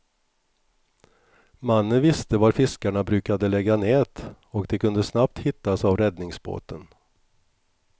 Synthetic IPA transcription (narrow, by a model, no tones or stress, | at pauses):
manːənvɪst̪əvaɾfɪskaɳabɾʉ̟ːkad̪əlɛɡːaneːt̪ | ɔkd̪ɛkɵnd̪əsnap̚t̪hɪt̪ːasavɾɛd̪nɪŋsbo̰ːt̪ʰən